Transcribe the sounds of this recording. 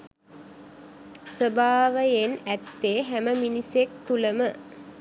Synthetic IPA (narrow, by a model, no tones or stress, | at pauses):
səbaːʋəjenæt̪ːeːɦæməminisek̚t̪uləmə